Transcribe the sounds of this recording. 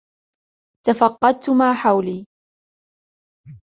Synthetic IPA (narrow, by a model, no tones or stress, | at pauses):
t̪afɑqːɑd̪̚t̪ʊmaːħawliː